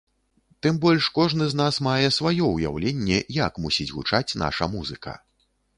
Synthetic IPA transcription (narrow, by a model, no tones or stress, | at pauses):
t̪ɨmbɔlʲʂkɔʐnɨznasmajɛsvajɔuja̰wlʲenʲːɛjɐkmusʲit͡sʲɣṵt͡ʂat͡sʲna̰ʂɐ̰muzɨkɐ̰